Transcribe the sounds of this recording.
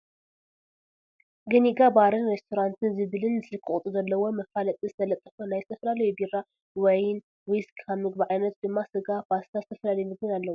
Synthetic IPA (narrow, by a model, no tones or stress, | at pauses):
ɡɐniɡabaɾɨnɾest̪ʰoɾant̪ʰɨnzɨβɨlɨnzɨlɨkʰːɨχʼt̪ʼuzɐlːɐwo̞mɐfalɐt̪ʼizɨt̪ʰɐlɐt̪ʼːɐfɐnajzɨt̪ʰɐfɐlalɐjubira | wɔjn | wiskkʰaβmɨɡ̚biʕajnɐt̪d̪ɨmːasɨɡafast̪ʰazɨt̪ʰɐfɐlalɐjmɨɡɨnalːɐwu